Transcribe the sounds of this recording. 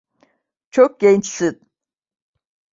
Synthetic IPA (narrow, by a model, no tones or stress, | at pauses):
t͡ʃʰok̚ɡ̥ʲent͡ʃsɨt̪̚